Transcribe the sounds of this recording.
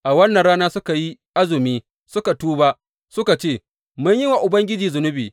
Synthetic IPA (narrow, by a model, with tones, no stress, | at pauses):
ʔa˨wɐ˦nːɐ˨nɽaː˦naː˦sʊ˦ka˨ji˦ʔa˦zʊ˨miː˦ | sʊ˦ka˨tuː˦ba˦ʔ | sʊ˦ka˨t͡ʃeː˦˨ | mʊ˦ɲjɪ˦wa˨ʔʊ˨bɐ˦ŋɡʲɪ˦d͡ʒiː˨zʊ˨nʊ˦biː˨